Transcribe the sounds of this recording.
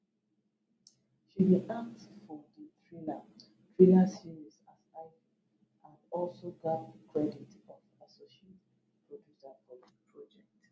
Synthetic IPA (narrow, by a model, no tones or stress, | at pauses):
ʃidiʔaktfɔdətʰɹila | tʰɹilasiɹisasaɪ | ãnɔlsoɡavəkʰɹɛditɔfasɔʃet | pʰɹodjusapɔti̥pʰɹɔd͡ʒɛk̚t